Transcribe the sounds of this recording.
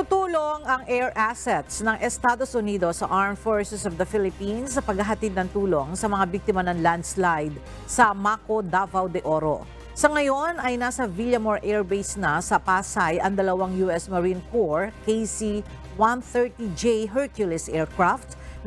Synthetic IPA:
t̪ʊt̪uːloŋɐŋʔɛɹʔasɛt̪snɐŋʔɛst̪aːd̪osʔʊniːd̪osɐ̰ʔaɹmfoɹsɛsɔvd̪ɐfɪlɪpinsːɐpɐɡ̚hɐɦɐt̪id̪̚nɐŋt̪uːlo̞ŋsɐmɐŋabiɡ̚t̪ɪmɐnɐŋland̪slajd̪̚ | sɐmakod̪avɐwd̪ɛʔoɾo̰ | sɐŋɐjo̞nɐjnaːsɐviljɐmoɹʔɛɹbejsnɐsɐpaːsajʔɐŋd̪ɐlɐwaŋjuʔɛsmɐɾinkoɹkejsi | wanθɛɹt̪id͡ʒeɦɛɹkjʊlɪsʔɛːɹkɹaft̪

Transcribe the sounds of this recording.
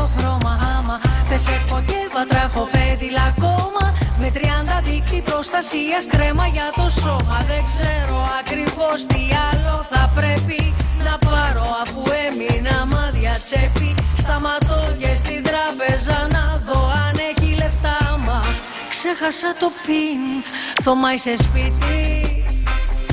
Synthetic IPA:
oxɾo̞mɐɐmɐðesekkocevɐt̪ɾɐexo̞peðilɐko̞mɐme̞t̪ɾiɐnd̪ɐðikt̪ipɾo̞st̪ɐsiɐskɾe̞mɐʝɐt̪o̞so̞mɐðeŋɡze̞ɾo̞ɐkɾivo̞st̪iɐlo̞θɐpɾepinɐpɐɾo̞ɐfue̞minɐmɐðʝɐt͡se̞pist̪ɐmɐt̪o̞cest̪ind̪ɾɐpe̞zɐnɐðo̞ɐne̞çile̞ft̪ɐmɐ | kse̞xɐsɐt̪o̞pinθo̞mɐisespit̪i

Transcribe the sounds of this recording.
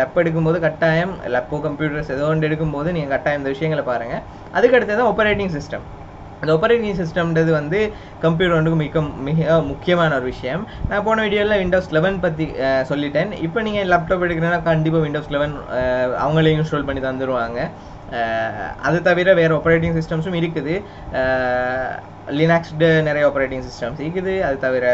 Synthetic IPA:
lɛpːɛɽɯk̬ːɯmpoːðɯkɐʈːaːjɐmlɐpːoːkɐmpjuːʈɐɾsɛðoːɐɳɖɛɽɯk̬ːɯmpoːðɯniːŋɡɐkɐʈːaːjɐmɪnd̪ɐʋɪʂɐjɐŋɡɐɭpaːɾɯːŋɡɐ | ʔɐðɯkːɐɽɯt̪ːɐt̪ãːɔpːɐɾeːʈɪŋs̬ɪsʈɐm | ɪnd̪ɔpːɐɾeːʈɪŋs̬ɪsʈɐmɐðɯʋɐnd̪ɯ | kɐmp̬juːʈɾɐɳɖɯkːɯmɪkːɐmɪɣɐmʊkːɪjɐmaːnɐɔɾɯʋɪʂɐjɐmnãːpoːnɐ̃ɪɽɪjoːlãʋɪɳɖoːslɛʋɐnpɐt̪̬ːisɔlːɪʈːeːnɪ̰pːoːniːŋɡɐlaːp̚ʈoːpɛɽɯk̬ːɪɾẽŋnːaːkɐɳɖɪp̬ːaːʋɪɳɖoːslɛʋɐnɐ̰ʋɐŋɡɐɭɐjʊ̃sʈoːlpɐɳːit̪ɐnd̪ɯɾɯʋaːŋɡɐ | ɐ̰ðɯt̪ɐʋɪɾɐʋeːɾɐoːpːɐɾeːʈ̬ɪŋs̬ɪsʈɐmsɯ̃mɪɾɯkːɯðɯ | lɪnaːksʈnɛɾɐjɐoːpːɐɾeːʈɪ̃ŋsɪsʈɐmsɪkːɯðɯɐðɯt̪ɐʋɪɾɐ

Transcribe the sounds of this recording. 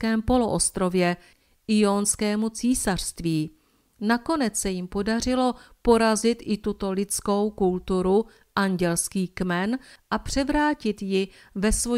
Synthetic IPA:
kɛːmpo̞loʔost̪ɾo̞vjɛ | ʔɪjonskɛːmut͡siːsar̝̥st̪viː | nako̞nɛt͡ssɛjɪmpo̞dar̝ɪlo̞po̞ɾazɪt̪ʔɪt̪ut̪o̞lɪt͡sko̞wkult̪uɾu | ʔaɲɟɛlskiːkmɛnʔapr̝̥ɛvɾaːcɪt̪jɪ | vɛsvo̞

